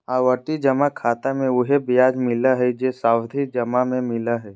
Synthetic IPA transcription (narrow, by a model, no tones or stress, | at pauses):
aːʋəʈid͡ʒɐmakʰaːt̪amẽʊɦebijaːd͡ʒmɪlaɦɛd͡ʒesaːwd̪ʱid͡ʒɐmamẽmɪlaɦɛː